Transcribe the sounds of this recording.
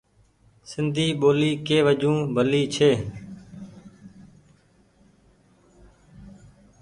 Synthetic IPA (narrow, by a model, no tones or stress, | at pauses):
sɪnd̪ʱiːɓoːliːkeːʋəd͡ʒũːbʱəliːt͡ʃʰeː